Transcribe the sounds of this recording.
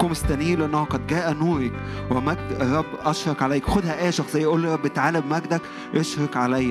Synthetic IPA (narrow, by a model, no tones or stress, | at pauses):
komest̪ænijːleʔenːæhoqɑd̪ɡæːʔænuːɾɑkwemæɡd̪ɾˤːɑbːʔɑʃɾˤɑkʕalæjːækwxod̪hæʔæːjæʃɑxsˤejːʔoːlːiɾˤɑbːet̪ʕaːlæbmæɡd̪æk | ʔeʃɾˤɑkʕalæjːæ